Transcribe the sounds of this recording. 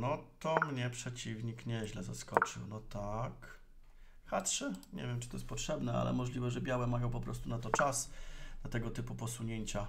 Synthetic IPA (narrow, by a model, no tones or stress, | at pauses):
nɔt̪ɔmɲɛpʂɛt͡ɕivɲikɲɛʑlɛzaskɔt͡ʂɘ̰wnɔt̪ak | xat̪ʂɛɲɛ̰vʲjɛmt͡ʂɨ̥t̪ɔjɛst̪pɔtʂɛbnɛa̰lɛ̰mɔʐlʲivɛʐɛbʲjawɛmajɔ̃w̃pɔpɾɔst̪unat̪ɔt͡ʂasnat̪ɛɡɔt̪ɘpupɔsuɲeɲt͡ɕa